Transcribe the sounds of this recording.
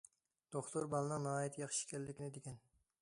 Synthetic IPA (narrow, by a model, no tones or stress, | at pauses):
d̪̥oχt̪ʰʊɾbɑlˠɨnɨŋnɑːjit̪ʰjɑχʃi̥kʲɛlːɪkʲinɪd̪ekʲɛn